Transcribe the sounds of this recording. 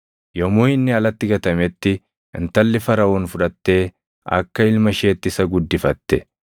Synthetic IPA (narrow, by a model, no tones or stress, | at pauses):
jɔmuːhɪnːɪɐlɐt̪ːɪɡɐt̪ɐmɛt̪ːɪ | ɪ̰nt̪ɐlːɪfɐɾɐwunfʊᶑɐt̪ːe̞ː | ɐ̰kːɐɪlmɐʃe̞ːt̪ːɪsɐɡʊd̪ːɪfɐt̪ːɛ